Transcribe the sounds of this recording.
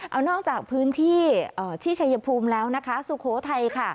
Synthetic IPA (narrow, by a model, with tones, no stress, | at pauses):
ʔʔa˧wnɔː˥˩k̚t͡ɕaː˨˩k̚pʰɯː˦˥nt̪ʰiː˥˩ʔəː˨˩t̪ʰiː˥˩t͡ɕʰa˧ja˧pʰuː˧mlɛː˦˥wna˦˥kʰa˦˥su˨˩kʰoː˩˦t̪ʰa˧jkʰa˥˩